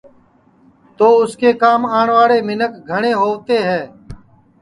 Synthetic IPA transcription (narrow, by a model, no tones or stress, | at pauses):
t̪oːʊskeːkaːmaːɳʋaːɽeːmɪnəkɡʱəɳeːɦoːʋt̪eːɦɛː